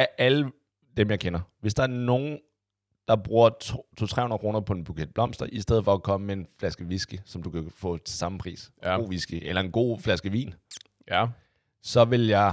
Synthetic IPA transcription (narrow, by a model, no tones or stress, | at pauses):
æʔælə | d̥emjɑ̈ɪkʰenɐʋe̝sd̥ɑ̈æɐno̝ːn̩ | d̥ɑ̈b̥ʁuːɐt͡sʰt͡sʰot͡sʰʁɛ̰hun̩ɐkʰʁo̝ːnɐpʰɒ̽e̝nb̥ukʰed̥̚b̥lɒ̽m̰sd̥ɐʔisd̥eð̞ˠfɒ̽ækʰɒ̽məmee̝nflæsɡ̥əʋisɡ̥isɒ̽md̥ukʰæfɔ̰̽ːesɑ̈məpʰʁḭːso̝̰ːʋisɡ̥iʔelɐe̝nɡ̥o̝̰ːflæsɡ̥əʋḭːn | sɒ̽ʋe̝ljɑ̈ɪ